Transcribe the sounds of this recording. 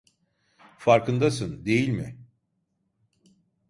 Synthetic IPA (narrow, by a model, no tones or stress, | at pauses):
faɾkɯnd̪asɯnd̪e̞jilʲmɪ